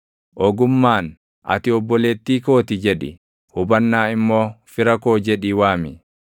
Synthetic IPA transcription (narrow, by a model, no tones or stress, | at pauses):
ʔɔɡʊmːaːn | ʔɐ̰t̪ɪɔbːɔle̞ːt̪ːiːko̞ːt̪ɪd͡ʒɛᶑɪ̰ | hʊbɐnːaːɪmːo̞ːfɪɾɐko̞ːd͡ʒɛᶑiːwaːmɪ